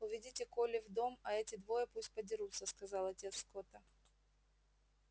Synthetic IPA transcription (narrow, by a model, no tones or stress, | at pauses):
ʊvʲɪdʲitʲɪkolʲɪvd̪o̞mɐɛtʲɪd̪vo̞jəpusʲt̚ʲpədʲɪɾut̪səskɐzɑlˠɐtʲe̞t̪sːkot̪ə